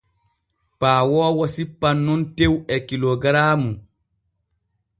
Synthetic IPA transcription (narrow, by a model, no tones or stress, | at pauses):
paːwɔːwasipːanːɔntewɛkilɔɡɾaːmu